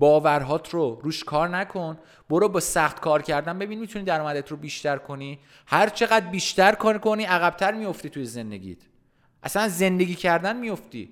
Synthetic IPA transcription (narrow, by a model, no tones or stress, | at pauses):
bɒːvæɾɦɒːt̪ʰɾoɾuːʃkʰɒːɾnækʰo̞n | b̥oɾobɒːsæχt̪kʰɒːɾcʰæɾd̪ænbe̞biːnmit̪ʰunid̪æɾɔːmæd̪et̪ʰɾobiːʃt̪æɾkʰo̞ni | hæɾt͡ʃʰe̞ɣæd̪̚biːʃt̪æɾkʰokʰoniːæɣæb̚t̪ʰæɾmijo̞ft̪iːt̪ʰujeze̞nd̪eɟḭːt̪ʰ | ʔæ̰sænze̞nd̪e̞ɟiːcʰæɾd̪ænmijo̞ft̪ḭː